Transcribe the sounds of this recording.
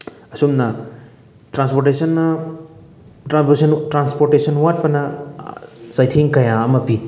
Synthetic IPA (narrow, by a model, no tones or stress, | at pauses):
ɐsumnɐ | tɾanspoɾʈesɐnːɐ | sɐntɾanspoɾtesɐnwat̚pɐnɐ | sajtʰiŋkɐjaɐmɐpi